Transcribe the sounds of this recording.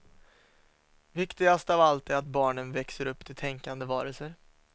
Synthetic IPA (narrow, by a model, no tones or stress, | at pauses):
vɪkt̪ɪɡast̪avalt̪ɛɾat̪̚bɑːɳənvɛksəɾɵpːt̪ʰɪt̪ʰɛŋkand̪əvɑːɾəlsəɾ